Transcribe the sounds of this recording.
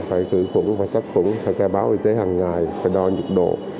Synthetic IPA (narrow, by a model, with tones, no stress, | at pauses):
faː˧˩jt̪ɨ̰˧˨xə̰˧˩ŋvaː˨˩sa˦˥k̚fə̰˧˥ŋfʰaː˧˩jkaː˧˩ɓaː˨˦wʔi˧t̪e˨˦haː˨˩ŋːaː˨˩jfaː˨˩jɗɔ˧ɲɨ˨˩t̚ɗo̰˧˨